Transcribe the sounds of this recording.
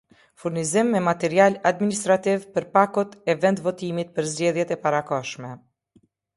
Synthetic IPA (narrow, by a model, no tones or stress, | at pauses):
fuɾnizimːɛmat̪ɛɾialad̪minist̪ɾat̪ivpəɾpakut̪ɛvɛnd̪vɔt̪imit̪̚pəɾzd͡ʑɛðjɛt̪ɛpaɾakɔʃmɛ